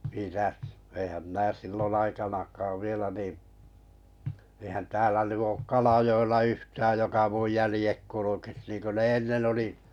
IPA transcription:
mitæs eĭhæm minæ silːon ɑikɑnɑkˑɑːʋ ʋielæ niˑ eĭhæn tæːlæ ny oːk kɑlɑjoelːɑ yhtæːj jokɑ muj jælĭjek kulukis niːnkø ne enːen oli

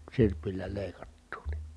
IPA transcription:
sirpilˑæ leˑi̯kɑtːuː ni

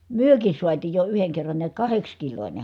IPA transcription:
myøkis suɑtiːj jo yheŋ kerːɑn niæt kɑhekskilonʲe

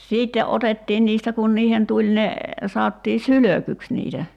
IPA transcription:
siːtːe ʔotetːiːn niːstæ kun niːhen tulʲ ne sɑotːiː syløkyks niːtæ

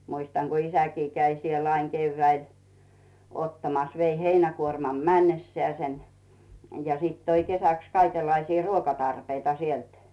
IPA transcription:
muistɑŋ ɡ̊u isækiː kæi siel ɑiŋ keyʋːæil otːɑmɑs ʋei heinækuormɑm mænːesːĕæːsen jɑ siˑt toi kesæks kɑikelːɑisiː ruokɑtɑrpeitɑ sielt

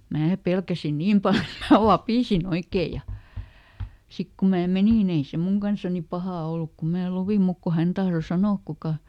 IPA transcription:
mæː pelkæsi niːm pɑl et̆ mæː ʋɑpiˑsin oikeː jɑ sik ku mæː meniˑ nĭ ei se muŋ kɑnsɑni pɑhɑˑ oluk ku mæː luʋim muk ku hæn tɑhro sɑnoːk kukɑ

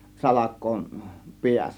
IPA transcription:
sɑlɑkˑoˑe̝n piæsˑæ

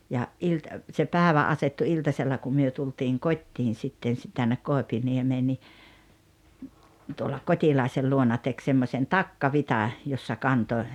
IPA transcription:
jɑ ʔilt se pæːĕʋæ ɑsetːu iltɑselːɑ kum myø tultiːŋ kotʲːiːn sitːen̞ si tænːek koˑepiniemeː ni tuolɑ kotʲilɑˑesel luonɑ tek semːosʲen tɑkːɑʋitɑ josːɑ kɑntoĭ

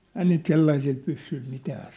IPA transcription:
ɛi niːt selːɑisil pysːyĭl mitæː

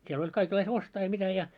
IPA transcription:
siel olʲ kɑikelːɑis ostɑː jɑ mitæ jɑ

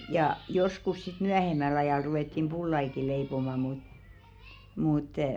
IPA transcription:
jɑ joskus sit myæhemæl ɑjɑˑl ruwetːim b̥ulːɑiki leipomɑ mut muˑt

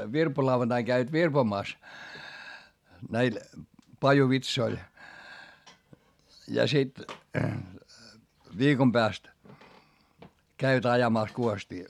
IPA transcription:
ʋirpolɑuʋɑntɑiŋ kæiʋæt ʋirpomɑˑs næil pɑjuʋitsoil jɑ sit ʋiːkom pæːst kæiʋæt ɑjɑmɑˑs kuostiː

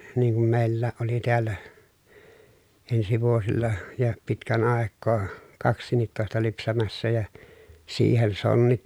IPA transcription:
niːŋ kum meilːæːʔ ʔoli tiælːæ ensi ʋuosilːɑ jɑ pitkæn ɑˑekːoː kɑksˑiːnˑitːoˑestɑ lypsæmæsːæ jɑ siːhen sonːit

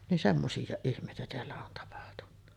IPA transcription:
nin semːosijːɑˑeʔ ʔihmˑeˑitæ teælːæ on tɑpɑhtunːɑ

